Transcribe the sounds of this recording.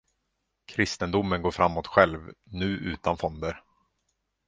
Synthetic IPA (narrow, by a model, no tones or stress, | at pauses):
kʰɾɪst̪ənd̪ʊmːənɡoːfɾamːoːt̪ɧɛlvnʉ̟ːʔʉ̟ːt̪anfɔnd̪əɾ